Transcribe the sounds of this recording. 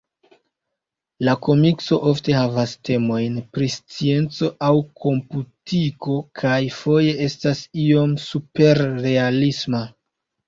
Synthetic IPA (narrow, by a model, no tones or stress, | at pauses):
lako̞mikso̞ʔo̞fte̞ɦavaste̞mo̞jnpɾist͡sie̞nt͡so̞ʔawkʰo̞mputiko̞kʰajfo̞je̞e̞stasio̞msupe̞ɾːe̞alisma